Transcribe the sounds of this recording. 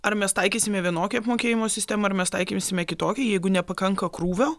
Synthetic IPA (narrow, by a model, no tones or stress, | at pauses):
ɐrmʲɛst̪ɐɪkʲiːsʲɪmʲɛʋʲiɛnoːkʲɛɐpmoːkʲeːjɪmoːsʲɪst̪ʲæːmɐɐrmʲɛst̪ɐɪkʲimsʲɪmʲɛkʲɪt̪oːkʲɛjɛɪɡʊnʲɛpɐkɐŋkɐkɾuːʋʲoː